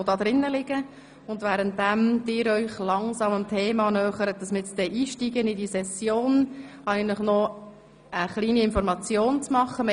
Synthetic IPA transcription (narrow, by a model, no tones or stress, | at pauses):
odɑːd̪ɾɪnːəlɪɡ̥ə | ʊndvæːɾənt̚dæmd̪ɪːɾœʏχlɑŋsɑməmtʰeːmɑnœχəɾət̚d̥ɑsmɪɪt͡sd̥̪ɛʔiːʃtiːɡənɪdisɛsjoːn | æɪɡənlɪχnɔ | əχliːniɪnfɔɾmɑt͡sjoːnt͡smɑχːəme